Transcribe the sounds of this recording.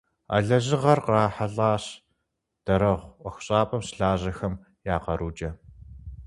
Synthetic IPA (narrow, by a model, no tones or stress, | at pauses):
a̰ɮɐʑɪʁɐrqaːħaɮaːɕ | d̥ɐɾɐʁʷɔxʷɕʼaːpʼɐmsɬaːʑɐxɐm | jaːqɐɾʔuːd͡ʒɐ